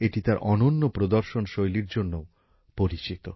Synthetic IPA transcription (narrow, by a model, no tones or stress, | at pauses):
eʈit̪aɾʔɔnonːopɾod̪oɾʃonʃojliɾd͡ʑonːo | poɾit͡ɕit̪o